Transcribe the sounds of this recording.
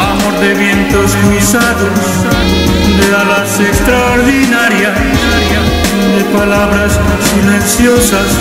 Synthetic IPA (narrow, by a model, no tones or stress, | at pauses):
amoɾðeβje̞nt̪o̞sβisaðos | d̪eβalansekst̪ɾaoɾðinaɾja | aɾja | d̪epalaβɾassilensjo̞sas